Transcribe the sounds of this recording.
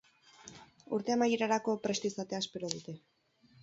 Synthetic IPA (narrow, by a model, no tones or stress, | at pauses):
uɾt̪e̞amajeɾaɾako̞pɾe̞st̪isat̪e̞aspe̞ɾoð̞ut̪e̞